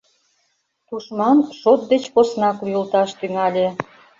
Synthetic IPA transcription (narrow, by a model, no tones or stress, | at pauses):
t̪uʃmɑnʃot̪̚d̪et͡ɕposnɑkujult̪ɑʃt̪yŋɑlʲĕ